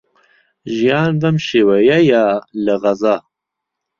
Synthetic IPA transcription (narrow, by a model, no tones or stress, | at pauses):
ʒijɑːnbɐmʃeːwɐjɐjaləɣɐzɑː